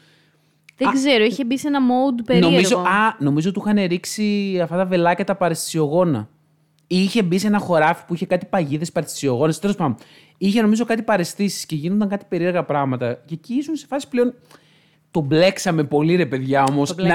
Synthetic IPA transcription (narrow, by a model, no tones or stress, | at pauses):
ðeɡze̞ɾoiçebisenɐmod̪peɾnoimizoɐno̞mizoot̪uxɐne̞ɾiksiɐft̪ɐt̪ɐve̞lɐcɐt̪ɐpɐɾest̪i̥sioɣo̞nɐ | iiçe̞bise̞nɐxo̞ɾɐfi̥puiçe̞kɐt̪i̥pɐʝiðespɐɾest̪i̥sioɣo̞nɐst̪e̞lospɐno | içe̞no̞mizo̞kɐt̪ipɐɾe̞st̪isi̥sce̞ʝinond̪ɐŋkɐt̪i̥peɾieɾɣɐpɾɐɣmɐt̪ɐceciisunsefɐsi̥pleo̞n | t̪o̞ble̞ksɐme̞po̞liɾe̞pe̞ðʝɐo̞mo̞s